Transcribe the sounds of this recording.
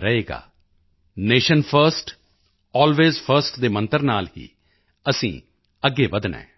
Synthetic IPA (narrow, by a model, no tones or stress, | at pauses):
ɾəɦeːɡa̰ː | neːʃənpʰəɾsʈ | ɔːlʋeːzpʰəɾsʈd̪eːmə̃nt̪əɾnaːlɦḭː | əsḭ̃ː | əɡːeːbəd̪nɛ̰̃ː